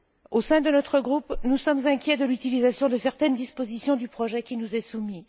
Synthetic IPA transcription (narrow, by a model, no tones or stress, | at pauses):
osɛ̃d̪ənɔt̪χəɡʁupnusɔmzɛ̃kʲjɛd̪əlyt̪ilizasjɔ̃d̪əsɛʁt̪ɛnd̪ispozisjɔ̃d̪ypχɔʒɛkʲinuzɛsumi